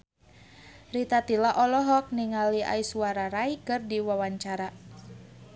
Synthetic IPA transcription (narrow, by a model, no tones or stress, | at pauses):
rit̪at̪ilaʔɔlɔɦɔk̚niŋalia̰isuaɾaɾaikɨrdiwawaɲt͡ʃaɾa